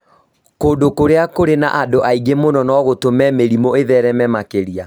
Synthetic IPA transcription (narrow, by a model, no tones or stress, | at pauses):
koːndokoɾeakoɾena̰ʔadoʔaiɣemonɔnɔɣotomɛmeɾimoeðɛɾɛmɛmakeɾia